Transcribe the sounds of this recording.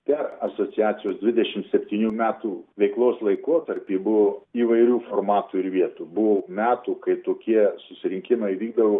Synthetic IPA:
pʲɛrɐsoːt͡ssʲɪjæːt͡ssʲɪjoːsd̪ʋʲɪd̪ʲɛʃʲɪmt̪sʲɛpʲt̪ʲiːnʲuːmʲæːt̪uːʋʲɛɪklˠoːslˠɐɪkoɔt̪ɐɾʲpʲiːbʊʋoiːʋɐɪɾʲuːformɑːt̪uːɪɾʋʲiɛt̪uːbʊʋomʲæːt̪uːkɐɪt̪oːkʲiɛsʊsʲɪɾʲɪŋʲkʲɪmɐɪʋʲiːɡ̚d̪ɐʋoː

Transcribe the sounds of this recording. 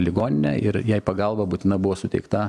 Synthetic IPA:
lʲɪɡoːnʲɪnʲɛ̰ʔɪɾjɛɪpɐɡɐlˠbɐbuːt̪ʲɪnɐbʊʋoːsʊt̪ʲɛɪkt̪ɐ

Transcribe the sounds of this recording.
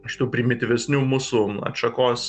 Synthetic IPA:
ʃʲɪt̪uːpʲɾʲɪmʲɪt̪ʲɪʋʲɛsʲnʲuːmuːsuːɐ̰ʃɐkoːs

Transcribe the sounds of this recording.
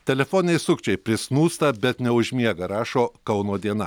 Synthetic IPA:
t̪ʲɛlʲɛfoːnʲɪnʲɛɪsʊkʲt͡ʃʲɛɪpʲɾʲɪsnuːst̪ɐbʲɛt̪nʲɛʊʒʲmʲiɛɡɐɾɑːʃoːkɐʊnoːd̪ʲiɛnɐ

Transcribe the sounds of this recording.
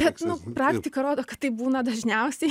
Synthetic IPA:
bʲɛt̪nʊpɾɑːkt̪ʲɪkɐɾoːd̪oːkɐt̪tːɐɪp̚buːnɐd̪ɐʒʲnʲɛʊsʲɛɪ

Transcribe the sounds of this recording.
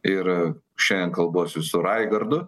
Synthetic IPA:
ɪɾ | ʃʲɛnd̪ʲɛnkɐlˠboːsʲsʊɾɐɪɡɐɾd̪ʊ

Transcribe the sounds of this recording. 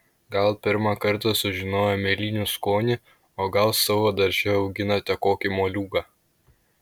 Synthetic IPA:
ɡɐlˠpʲɪɾmɑkɐɾt̪ɐsʊʒʲɪnoːjɛmʲelʲiːnʲuskoːnʲɪ | oːɡɐlˠsɑʋoːd̪ɐɾʲʒʲɛɐʊɡʲɪnɐt̪ʲɛkoːkʲɪmoːlʲuːɡɑː

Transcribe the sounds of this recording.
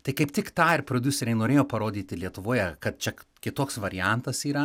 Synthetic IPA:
t̪ɐɪkɐɪpt̪ʲɪkt̪ɑːɪrpɾoːd̪ʲuːsʲɛɾʲɛɪnoːɾʲeːjoːpɐɾoːd̪ʲiːt̪ʲɪlʲiɛt̪ʊʋoːjɛkɐt̪̚t͡ʃʲɛkʲɪt̪oːksʋɐɾʲɪjænt̪ɐsiːɾɐ

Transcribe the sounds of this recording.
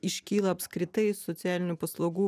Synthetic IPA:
ɪʃʲkʲiːlˠɐɐpʲskɾʲɪt̪ɐɪsɔt̪sʲæːlʲɪnʲupɐslˠɐʊɡuː

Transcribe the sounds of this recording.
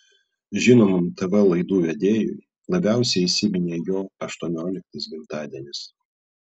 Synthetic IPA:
ʒʲɪnoːmʊmt̪ɛʋɐlˠɐɪd̪uːʋʲɛd̪ʲeːjʊ̰j | lˠɐbʲæˑʊsʲɛɪɪsʲɪmʲɪnʲeːjoːɐʃt̪uɔnʲoːlʲɪk̚t̪ɐsbʲɪmt̪ɑːd̪ʲiɛnʲɪs

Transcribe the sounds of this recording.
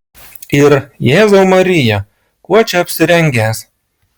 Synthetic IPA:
ɪɾjeːzoʊmɐɾʲɪjɛ | kuɔt͡ʃʲɛɐpʲsʲɪɾʲɛŋʲɡʲæːˑs

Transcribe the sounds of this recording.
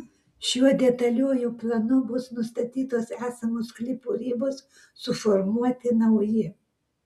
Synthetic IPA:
ʃʲuɔd̪ʲɛt̪ɐlʲuːjuːplˠɐnʊbʊsnʊst̪ɐt̪ʲiːt̪oːsæːsɐmoːsklʲɪpuːɾʲiːboːsː | ʊfɔɾmuɔt̪ʲɪnɐʊjɪ

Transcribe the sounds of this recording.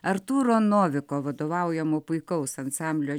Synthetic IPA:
ɐɾt̪uːɾoːnoːʋʲɪkoːʋɐd̪oːʋɑˑʊjɛmoːpʊɪkɐʊsɐnsɑmʲbʲlʲoː

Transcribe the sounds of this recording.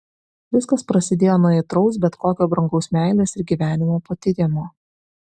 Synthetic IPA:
ʋʲɪskɐspɾɐsʲɪd̪ʲeːjoːnuɔɛt̪ɾɒʊs̬bʲɛt̪koːkʲoːbɾɐŋɡɒʊsmʲæˑɪlʲeːsɪɾɡʲiːʋʲæːnʲɪmoːpoːt̪ʲɪɾʲeːmoː

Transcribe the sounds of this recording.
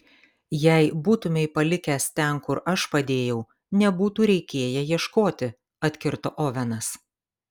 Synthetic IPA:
jɛɪbuːt̪ʊmʲɛɪpɐlʲɪkʲæːst̪ʲɛnkʊɾɐʃpɐd̪ʲeːjɛʊ | nʲɛbuːt̪uːɾʲɛɪkʲeːjɛjiɛʃkoːt̪ʲɪ | ɐt̪ʲkʲɪɾt̪oːʔoʋʲɛnɐs

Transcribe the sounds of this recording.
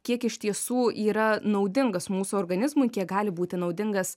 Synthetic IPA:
kʲiɛkɪʃʲt̪ʲiɛsuːʔiːɾɐnɐʊd̪ʲɪŋɡɐsmuːsuoːrɡɐnʲɪzmʊɪkʲiɛk̚ɡɑːlʲɪbuːt̪ʲɪnɐʊd̪ʲɪŋɡɐs

